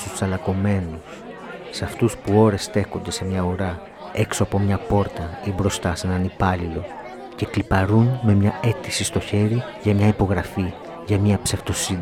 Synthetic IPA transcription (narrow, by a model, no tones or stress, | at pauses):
t̪ussɐlɐko̞me̞nus | seɐft̪uspuo̞ɾe̞st̪e̞ko̞nd̪e̞se̞mɲɐoɾɐ | e̞kso̞ɐpo̞mɲɐpo̞ɾt̪ɐibɾo̞st̪ɐse̞nɐnipɐlilo̞ | ce̞klipɐɾunme̞mɲɐe̞t̪isist̪o̞çe̞ɾi | ʝɐmɲɐipo̞ɣɾɐfi | ʝɐmɲɐpse̞ft̪o̞si